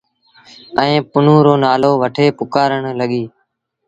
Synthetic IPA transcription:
ə̃ːpʊn̤ũːɾoːnaːloːʋəʈʰeːpʊkaːɾəɳləɠiː

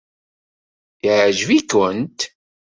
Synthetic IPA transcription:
iʕʒvikʊnt̪

